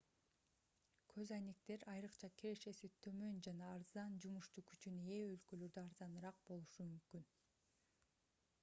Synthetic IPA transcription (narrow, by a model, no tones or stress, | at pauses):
kʰø̞zɑjnek̚t̪e̞ɾɑjɾɯqt͡ʃʰɑkʰeɾe̞ʃe̞sit̪ʰø̞mø̞nd͡ʒɑnɑːɾzɑnd͡ʒumuʃt̪uːkyt͡ʃyneølkø̞lø̞ɾd̪øɑɾzɑnɯɾɑq̚bo̞lˠuʃumymkyn